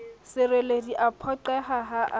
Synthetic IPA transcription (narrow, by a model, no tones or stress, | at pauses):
sɪrelediʔapʰɔǃɛɦaɦaʔ